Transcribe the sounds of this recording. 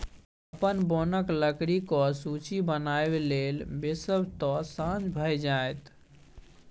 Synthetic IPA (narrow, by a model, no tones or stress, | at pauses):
əpənbonəkləkɽikɔsut͡ʃibənaebelelbesəbʱt̪ɔsãd͡ʒbʱəjd͡ʒajt̪